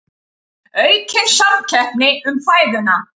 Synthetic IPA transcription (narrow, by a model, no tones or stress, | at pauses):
œɥcʰɛnsalcʰɛhpnɪʏmfaːjðʏna